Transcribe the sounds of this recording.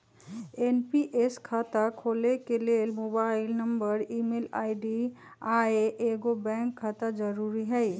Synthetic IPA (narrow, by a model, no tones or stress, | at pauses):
enpiʔeskʰat̪akʰolekelelmobaɪlnəmbəɾimela̰ɪɖi | aeʔeɡobɛ̃ŋkʰːat̪ad͡ʒəɾuɾiɦəɪ